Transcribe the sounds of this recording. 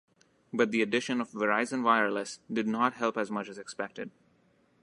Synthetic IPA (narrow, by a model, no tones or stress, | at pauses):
bʌt̪̚d̪iɨɖɪʃə̃nɔfʋəɹaɪzə̃nʋaɪəɹləsdɨd̚ⁿnɔʈɦɛlˠpæzmʌt͡ʃæzɛkspɛk̚ʈɪd̚